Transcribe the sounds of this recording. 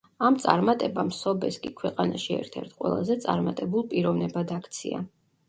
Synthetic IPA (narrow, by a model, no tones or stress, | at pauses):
amt̪sʼa̰ɾmat̪ʼɛbamsɔbɛskʼikʰwɛqʼanaʃiɛ̰ɾt̪ʰɛɾt̪ʰqʼwɛ̰lˠa̰zɛt̪sʼa̰ɾmat̪ʼɛbulˠpʼiɾɔvnɛbad̪akʰt̪sʰḭa̰